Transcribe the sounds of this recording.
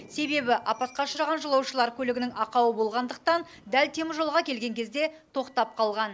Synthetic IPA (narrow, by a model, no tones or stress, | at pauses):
se̞be̞bɪʔɑpɑt̪̚qɑʃəɾɑʁɑnʒəlˠɑwʃəlˠɑɾkʲʰɵlɪɡʲɪnɪŋɑqɑwəbo̞lˠʁɑnd̪əq̚t̪ɑn | d̪ælt̪ʰe̞mɪʒolˠʁɑkʲʰe̞lɡʲe̞ŋkʲʰe̞zd̪e̞t̪ʰo̞qt̪ɑp̚qʰɑlˠʁɑn